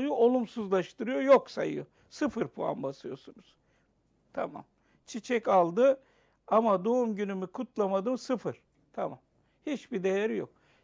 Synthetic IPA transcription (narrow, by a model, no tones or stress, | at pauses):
juʔo̞lˠumsuzlˠaʃt̪ʰɯɾɯjo̞joksajɯ̰jo | sɯfɯɾpʰua̰nbasɯjo̞̰sunuz̥ | t̪ʰama̰m | t͡ʃʰit͡ʃʰɛcalˠd̪ɯ | amad̪oumɟynymykʰut̪lˠamad̪ɯmsɯfɯɾ̥ | t̪ʰamam | hit͡ʃbid̪e̞jæɾijo̞̰k̚